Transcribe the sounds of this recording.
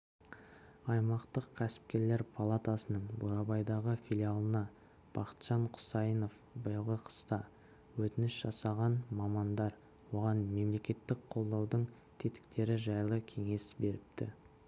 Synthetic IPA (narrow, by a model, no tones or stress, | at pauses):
ɑjmɑqt̪əqkʲʰæsɪ̥p̚kʲe̞ɾle̞ɾpʰalˠat̪asənəɴboɾɑbɑjd̪ɑʁəfʲilʲijalˠənɑ | b̥ɑqə̥t̪ʒ̥ɑɴqʰʊ̥sɑjəno̞f | bəjəlˠʁəqʰə̥st̪ɑ | wɵt̪ɪnɪsʒ̥ɑsɑʁɑnmɑmɑnd̪ɑɾ | wo̞ʁɑnme̞mle̞kʲe̞t̪ːɪk̚qʰo̞lˠd̪ɑwd̪əɴ | t̪ʰe̞t̪ɪ̥kt̪e̞ɾɪʒɑjlˠəkʲʰe̞ŋe̞sbe̞ɾɪp̚t̪ɪ̰